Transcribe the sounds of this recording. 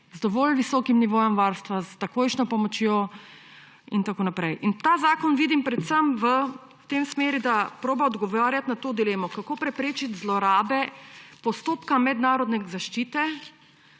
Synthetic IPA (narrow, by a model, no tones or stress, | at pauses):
zd̪ɔʋɔlʋisɔːkimniʋoːjɔmʋaɾst̪ʋazt̪akoːjʃnɔpɔmɔt͡ʃjo | int̪akoːnapɾɛjʔint̪aːzaːkɔnʋiːd̪impɾɛt̪səmʋə | t̪emsmeːɾid̪apɾoːbaɔd̪ɡɔʋaːɾjat̪nat̪oːd̪ileːmɔkakoːpɾɛpɾeːt͡ʃit̪zlɔɾaːbɛpɔst̪oːpkamɛd̪naːɾɔd̪nɛzaʃt͡ʃiːt̪ɛ